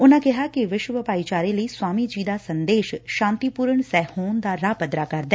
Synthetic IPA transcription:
ʊnãːkɪɦaːkɪʋɪʃwəʋəpaːiːt͡ʃaːɾeːləiːswaːmiːd͡ʒiːd̪aːsənd̪eːʃʃãːnt̪iːpuːɾəɳsɛːhoːnd̪aːɾaːpəd̪ɾaːkəɾd̪ɛː

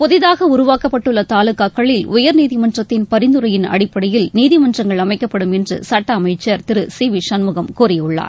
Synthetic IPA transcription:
pɔðɪðaːɣɐʊɾʊʋaːkɐpːɐʈːɯɭːɐt̪aːlɯkːaːkːɐɭɪlʔʊjɐɾniːðɪmɐndrɐt̪ːɪnpɐɾɪnd̪ɯɾɐjɪnɐ̰ɽɪpːɐɽɐjɪlniːðɪmɐndrɐŋɡɐɭɐmɐɪkːɐpːɐɽɯmɛndrɯ̰sɐʈːɐːmɐɪt͡ʃːɐɾt̪ɪɾɯsiːʋiʂɐnmɯɣɐmkuːɾɪjɯɭːa̰ːɾ

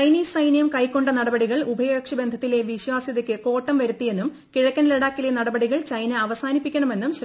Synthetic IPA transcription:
t͡ɕɐjniːsɐjnijɐmkɐjkːo̞ɳɖɐnɐɽɐbɐɽiɣɐɭubʱɐjɐɐkʂɐbe̞nd̪ʱɐt̪ːile̞ʋiɕwaːsjɐðɐkʲːɨko̞ːʈːɐmʋɐɾut̪ːije̞nːum | kiɻɐkʲːɐnleɽaːkːilenɐɽɐbɐɽiɣɐɭt͡ɕɐjnɐɐʋɐsaːnipːikʲːɐɳɐme̞nːumɕ

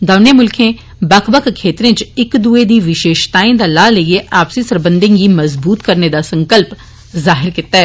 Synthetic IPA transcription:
d̪aːneːmʊlkʰẽː | bəkʰbəkkʰːeːt̪ɾẽːt͡ʃɪkd̪ued̪iːʋɪʃeːʃt̪aːẽd̪aːlaːləieʔaːpsisəɾbə̃nd̪ẽɡiːməzbuːt̪kəɾned̪aːsə̃ŋkəlp | zaːɦɪɾkɪt̪ːaɛː

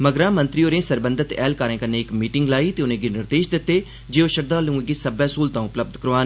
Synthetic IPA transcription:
məɡɾãːmənt̪ɾioːɾẽːsəɾbə̃nd̪ət̪ɛ̰ːlkaːɾẽːkəneːɪkmiːʈɪŋɡlaːiːt̪eːʊnẽːɡiːnɪɾd̪eːʃd̪ɪt̪ːeː | d͡ʒeːoːʃəɾd̪aːlũːɡiːsəbɛːsuːlt̪ãːʊpləb̚d̪kəɾʋaːn

